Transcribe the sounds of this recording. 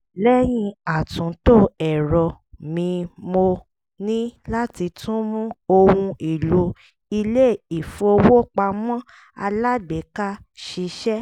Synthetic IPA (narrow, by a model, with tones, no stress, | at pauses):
lɛ˦j̃ĩ˧a˨tũ˨˦to˦ɛ˨ɾɔ˧ | mĩ˧mo˧ | nĩ˦la˦ti˧tũ˦mũ˦o˧wũ˧i˨lu˨˦ | i˧le˦˨i˨fu˧o˧wo˦k͡pa˧mɔ̃˦ | a˧la˦ɡ͡bɛ˨˦ka˦ | ʃi˧ʃɛ˦